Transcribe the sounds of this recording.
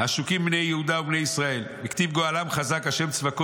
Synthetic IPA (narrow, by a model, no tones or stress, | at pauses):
haʃukimbnejehud̪aubnejisʁae̞lbikt̪ivɡoalamχazakaʃe̞mt͡svako